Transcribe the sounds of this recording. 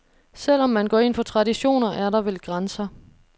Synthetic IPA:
sel̰ɒ̽mːænɡ̥ɒ̰ːe̝nfɒ̽t͡sʰʁɑ̈ɾiɕo̝̰ːnɐʔæɐɾɑ̈ʋelɡ̥ʁansɐ

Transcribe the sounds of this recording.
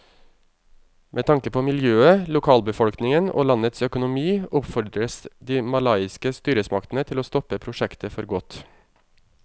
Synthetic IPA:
mʔeːt̪ʰɑŋkəpʰoːmɪljøːəlʊkʰɑːlbəfɔlknɪŋəno̰ːlɑnət̪sœkʊnʊmiːʊpfɔɾɖɾəsd̪iːmɑlɑɪɪskəst̪yːɾəsmɑkt̪ənət̪ʰɪloːst̪ɔpəpʰɾʊʃɛkt̪ʰəfɔɾɡɔt̪

